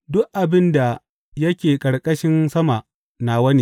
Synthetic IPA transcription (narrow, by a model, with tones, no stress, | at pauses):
dʊ˦ʔʔa˨bɪ˦nda˨ | jɐ˦kʲeː˨kʼɐ˨ɽkʼɐ˦ʃɪ˦nsɐ˦ma˨ | na˨wɐ˦ni˦